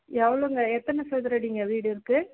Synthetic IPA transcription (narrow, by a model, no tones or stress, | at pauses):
ɛʋɐɭoɪŋɡɐɛt̪ːɐnɐsɐd̪ɐɾɐɽiːŋɡɐʋiːɽɯɪɾɯkːɯ